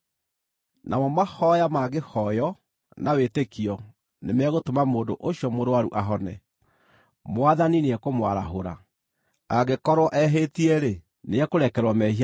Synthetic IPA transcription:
nʔamɔmahɔjamaɣehɔjɔ | nawetekiɔ | nemɛɣotomamoːndoʔoɕjɔmoɾowaɾṵʔaɦɔnɛ̰ | mwaðanineɛkomwaɾaɦoɾa̰ | aɣekɔɾwɔʔɛɦetiɛɾe | neɛkoɾɛkɛɾwɔmɛhia

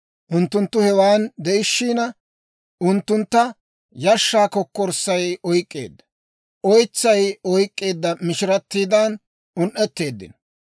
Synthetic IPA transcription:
ʔʊnt̪ːʊnt̪ːʊhɛwaːnd̪ɛʔɪʃːiːnɐ | ʊnt̪ːʊnt̪ːɐ | jɐʃːaːkɔkːɔɾsːɐjɔjkʼːe̞̰ːd̪ːɐ̥ | ʔɔjt͡sːɐjɔjkʼːe̞ːd̪ːɐmɪʃɪɾɐt̪ːiːd̪ɐn | ʊnʔɛt̪ːe̞ːd̪ːɪ̰n

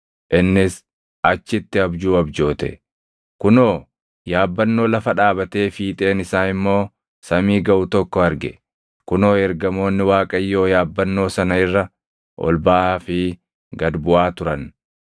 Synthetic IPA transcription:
ʔɪnːɪs | ʔɐt͡ʃːɪt̪ːɪɐbd͡ʒuːɐbd͡ʒo̞ːt̪ɛ̰ | kʊnoː | jaːbːɐnːo̞ːlɐfɐᶑaːbɐt̪e̞ːfiːt̪ʼe̞ːnɪsaːnɪmːo̞ː | sɐmiːɡɐʔʊt̪ɔkːɔɐɾɡɛ̰ | kʊno̞ːɛɾɡɐmo̞ːnːɪwaːkʼɐjːo̞ːjaːbːɐnːo̞ːsɐnɐɪrːɐ | ʔɔ̰lbaːfɪ | ɡɐd̪bʊʔaːt̪ʊɾɐn

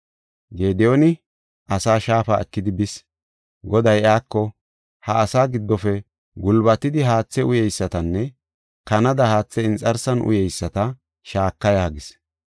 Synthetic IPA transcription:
ɡeːd̪ɛonɪ | ʔɐsaːʃaːfaːɛkːɪd̪ɪbɪs | ɡɔd̪ɐjaːkːɔ | hɐːsaːɡɪd̪ːɔfɛ | ɡʊlbɐt̪ːɪd̪ɪɦaːt͡sːɛʊjɛjsːɐt̪ɐnːɛ | kɐnɐd̪ɐhaːt͡sːɛɪnt͡sʼɐɾsɐnʔʊ̰jɛjsːɐt̪ɐ | ʃaːkːɐjaːɡɪs

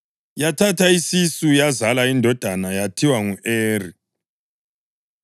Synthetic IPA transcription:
jatʰatʰaisisujazalaindʱɔd̥ʱanajatʰiwaŋueːri

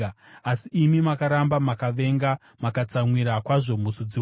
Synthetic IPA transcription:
asiimimakaɾambamakaʋe̞ŋɡa | makat͡samwiɾakwaʐo̞musud͡ziw

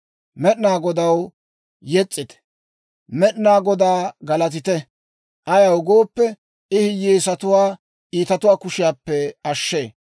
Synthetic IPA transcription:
mɛɗnaːɡɔd̪ɐw | jɛt͡sʼːɪt̪ɛ̥ | mɛɗnaːɡɔd̪aːɡɐlɐt̪̬ɪt̪ɛ | ʔɐjɐwɡo̞ːpːɛ | ɪhɪjːeːsɐt̪ʊwaː | ʔiːt̪ɐt̪ʊwaːkʊʃɪjaːpːɛɐʃːeː

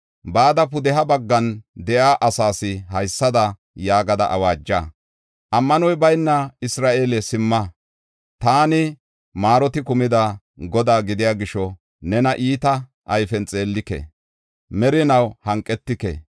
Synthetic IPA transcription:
baːd̪ɐpʊd̪ɛɦɐbɐɡːɐnd̪ɛʔaːʔɐsaːsɪɦɐjsːɐd̪ɐ | jaːɡɐd̪ɐ̰ʔɐwaːd͡ʒːaː | ʔɐmːɐnɔjbɐjnːɐɪsɾaːʔeːlɛsɪmːɐ | t̪aːnɪ | maːɾɔt̪ɪkʊmɪd̪ɐ | ɡɔd̪aːɡɪd̪ɪjaːɡɪʃɔ | nɛnɐʔiːt̪ɐ | ʔɐjfɛnt͡sʼe̞ːlːɪkɛ̰ | mɛɾɪnɐwhɐŋkʼːɛt̪ːɪkɛ̰

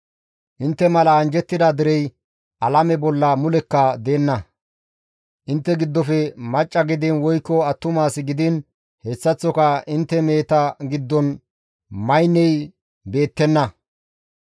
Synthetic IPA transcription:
ʔɪnt̪ːɛmɐlɐːnd͡ʒɛt̪ːɪd̪ad̪ɪɾɛj | ʔɐlɐmɛbɔlːɐmʊlɛkːɐd̪e̞ːnːɐ | ʔɪnt̪ːɛɡɪd̪ːɔfɛmɐt͡ʃʼːɐɡɪd̪ɪnwɔjkːɔɐt̪ːʊmaːsɪɡɪd̪ɪn | hɛsːɐt͡sːɔkɐɪnt̪ːɛme̞ːt̪ɐɡɪd̪ːɔn | mɐjnːɛj | be̞ːt̪ːɛnːɐ

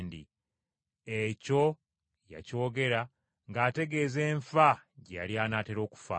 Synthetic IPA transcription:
ndḭ | eco̞ | ja̰co̞ːɡe̞ɾa | ŋɡaːte̞ɡe̞ːze̞ːɱfaɟa̰liaːnaːteɾo̞ːku̥fa̰

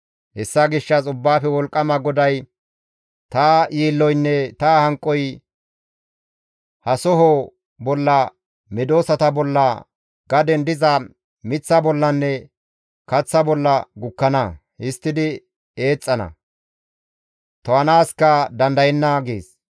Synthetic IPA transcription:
hɛsːɐɡɪʃːɐsʊbːaːfɛwɔlkʼːɐmɐɡɔd̪ɐj | t̪ajiːlːɔjnːɛt̪aːhɐŋkʼːɔj | hɐsɔɦo | bɔlːɐ | mɪd̪o̞ːsɐt̪ɐbɔlːɐ | ɡ̥ɐd̪ɛnd̪ɪzɐ | mɪt͡sːɐbɔlːɐnːɛ | kɐt͡sːɐbɔlːɐɡʊkːɐnɐ | hɪst̪ːɪd̪ɪ | eːt͡sʼːɐnɐ̰ | t̪ɔɐnaːskɐd̪ɐnd̪ɐjɛnːɐɡḛːs

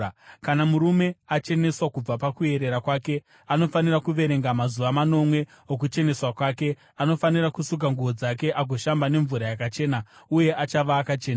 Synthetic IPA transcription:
kanamuɾume̞at͡ʃe̞ne̞swakub͡vapakue̞ɾe̞ɾakwake̞ | ano̞faniɾakuʋe̞ɾe̞ŋɡamazuʋamano̞mwe̞ | ok̬ut͡ʃe̞ne̞swakwaːke̞ | ano̞faniɾakusuk̬aŋɡuʋo̞d͡zak̬e̞ʔaɡʱo̞ʃambane̞ɱvuɾajakat͡ʃe̞ːnauje̞ʔat͡ʃaʋaːkat͡ʃeːna

